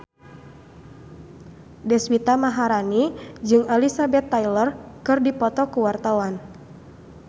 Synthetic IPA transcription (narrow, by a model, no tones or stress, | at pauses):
dɛswit̪amaɦaɾanid͡ʒɨŋalisabɛt̪ːajlərkɨrdipɔt̪ɔkuwart̪awan